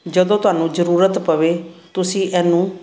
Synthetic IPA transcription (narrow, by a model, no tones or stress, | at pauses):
d͡ʒəd̪õːt̪ʊaːnũːd͡ʒəɾuːɾət̪pəʋeːt̪ʊsĩːʔɛːnũː